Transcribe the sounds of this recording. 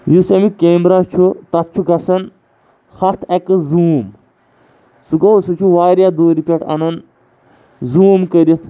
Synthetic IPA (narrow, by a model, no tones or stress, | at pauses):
jusɐmikeːmbɾat͡ʃʰut̪ɐt̪̚t͡ʃʰuɡɐsɐn | xɐt̪ʰekɨzuːm | suɡowsut͡ʃʰuʋaːɾjaːd̪oːɾipʲɐʈʰɐ̰nɐn | zuːmkəɾit̪ʰ